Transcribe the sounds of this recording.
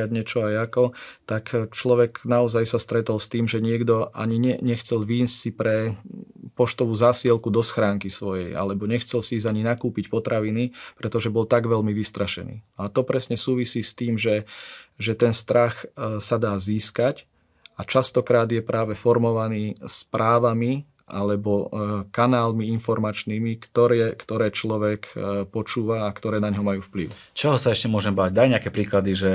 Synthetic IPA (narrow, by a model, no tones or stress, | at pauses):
aɟɲɛt͡ʃɔajakɔt̪akt͡ʃlɔʋɛknaɔzajsast̪ɾɛt̪ɔlst̪iːmʒɛɲɪɛɡd̪ɔa̰ɲiɲɛɲɛxt͡sɛlʋiːnssipɾɛ | pɔʃt̪ɔʋuːzaːsiɛlkud̪ɔsxɾaːŋkisʋɔjɛ̰ja̰lɛbɔɲɛxt͡sɛlsiizaɲinakuːpicpɔt̪ɾaʋinipɾɛt̪ɔʒɛbɔlt̪aɡʋɛlmiʋist̪ɾaʃɛ̰nḭːnɔat̪ɔpɾɛsɲɛsuːʋisiːst̪iːmʒɛʒɛt̪ɛnst̪ɾaxsad̪aːziːskac | at͡ʃast̪ɔkɾaːd̪jɛpɾʔaːʋɛfɔɾmɔʋaniːspɾʔaːʋami | ʔa̰lɛbɔkanaːlmiinfɔɾmat͡ʃniːmikt̪ɔɾɛkt̪ɔɾɛːt͡ʃlɔʋɛkpɔt͡ʃuːʋaːkt̪ɔɾɛːnaɲɦɔmajuːfpliʊ | t͡ʃɔɦɔsaɛʃcɛmʊɔʒɛmbaːɟd̪ajɲɛakɛpɾiːklad̪iʒɛ